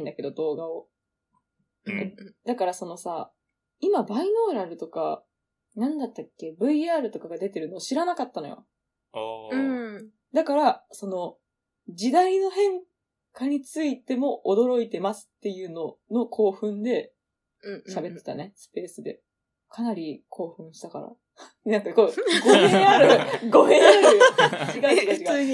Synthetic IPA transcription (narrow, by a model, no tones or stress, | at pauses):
ĩnd̪ake̞d̪o̞d̪o̞ːɡao̞ | d̪akaɾaso̞no̞sa | imabaino̞ːɾaɾɯ̟t̪o̞ka̰ | nãnd̪at̪ːakːe̞bɯ̟iaːɾɯ̟t̪o̞kaɡad̪e̞t̪e̞ɾɯ̟no̞ːɕiɾanakat̪ːano̞jo̰ | ɯ̟̃ɴ | d̪akaɾaso̞no̞ | d͡ʑid̪aino̞hẽ̞ŋ | kaɲ̟it͡sɨit̪e̞mo̞ʔod̪o̞ɾo̞it̪e̞masɨ̥t̪ːe̞jɯ̟ːno̞no̞kʰo̞ːɸɯ̟̃nd̪e̞ | ɕabe̞t̪ːe̞̥t̪a̰ne̞sɨ̥pe̞ːsɨd̪e̞̰ | kʰanaɾʲikʰo̞ːɸɯ̟̃ɰ̃ɕi̥t̪aka̰ɾa̰ | nãŋkakoɡohẽaɾɯɡo̞ɦẽaɾɯkiɡaai